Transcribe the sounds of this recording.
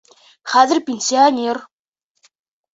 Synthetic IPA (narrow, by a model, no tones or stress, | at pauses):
χæzɪ̆rpʲensiɔnʲer